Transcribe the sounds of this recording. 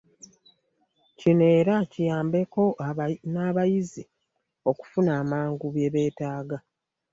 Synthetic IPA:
cine̞ːɾacijaːmbe̞ko̞naːβajizi | o̞ku̥funaːmaːŋɡuβje̞βe̞ːtaːɡa

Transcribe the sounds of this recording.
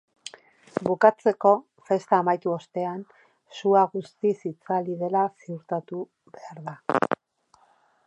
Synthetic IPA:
bukat͡se̞ko̞ | fe̞st̪aːmajt̪uo̞st̪e̞an | suaɣust̪isit͡saliðe̞lasiuɾt̪at̪u | βe̞aɾða

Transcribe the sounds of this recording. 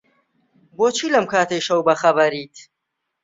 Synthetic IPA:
boːt͡ʃʰiːlɐmkʰaːt̪ʰejʃɐwbɐxɐbɐɾiːt̪

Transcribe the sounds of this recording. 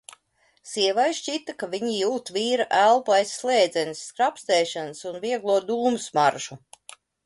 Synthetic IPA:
siɛvajʃt͡ʃit̪akavʲiɲijuːt̪viːɾaʔælˠpuajsːlˠɛːd̪zɛnisːkɾapst̪ɛːʃansunviɛɡlˠuɔd̪uːmsmaɾʒu

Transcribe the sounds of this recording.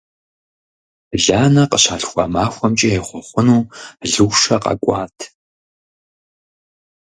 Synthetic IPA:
ɮaːnɐqəɕaːɬxʷɑ̰maːxʷɔmt͡ʃʼɐjɛχʷɔχʷʊnuːɮɨwʃɐqʼɐ̰kʷʼɑ̰ːtʰ

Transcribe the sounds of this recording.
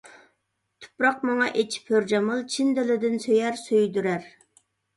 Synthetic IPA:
t̪ʰʊ̥pɾɑq̚mɑŋɑʔet͡ʃʰi̥pʰːøɾd͡ʒɑmɨlˠt͡ʃʰind̪ɪlɪd̪ɪnsøjæɾsøjd̪yɾæɾ

